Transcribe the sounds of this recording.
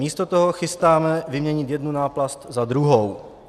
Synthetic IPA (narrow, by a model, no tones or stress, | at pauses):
iːst̪ot̪oɦoxɪst̪aːmɛvɪmɲɛɲɪt̪jɛd̪nunaːplast̪zad̪ɾuɦow